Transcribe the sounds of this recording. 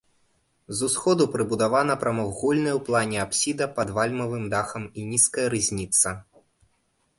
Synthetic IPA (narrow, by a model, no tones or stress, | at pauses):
zusxɔd̪upɾɨbud̪avanɐpɾɐmɔɣulʲnɐjwplˠanʲɛapsʲid̪ɐpɐd̪valʲmɐvɨmd̪axɐminʲiskɐjɐɾɨzʲnʲit̪sɐ